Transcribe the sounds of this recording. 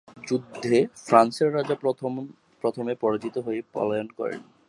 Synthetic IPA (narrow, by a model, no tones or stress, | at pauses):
d͡ʑud̪ʱːefɾanseɾːad͡ʑa | pɾot̪ʰomepɔɾad͡ʑit̪oɦoepɔ̰lajonkɔ̰ɾḛn